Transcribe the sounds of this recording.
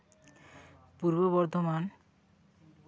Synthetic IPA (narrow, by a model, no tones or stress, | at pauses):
puɾboβɔɾd̪ʱoman